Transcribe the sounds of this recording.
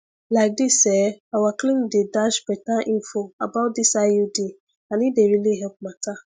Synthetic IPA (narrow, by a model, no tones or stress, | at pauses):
laɪk̚disɛawaklĩdedaʃbɛtãʔĩnfoabat̚disaudi | anĩdeɾiliɦɛp̚mata